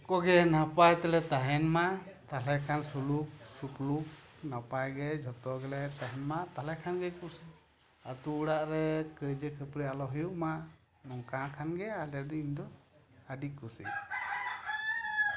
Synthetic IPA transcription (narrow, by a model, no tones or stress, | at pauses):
kɔɡɛnapajt̪ɛlɛt̪aɦɛnmat̪alɛkʰansuluk̚supluk̚ | napajɡɛd͡ʒʱɔt̪ɔɡɛlɛt̪aɦɛnmaʔt̪alɛkʰanɡɛkusi | at̪uːɽaʔɾɛkəjd͡ʒəkʰəpɾɛalɔɦujuʔ̚maʔ | nɔŋkakʰanɡɛalɛd̪ɔiɲd̪ɔəɖikusḭ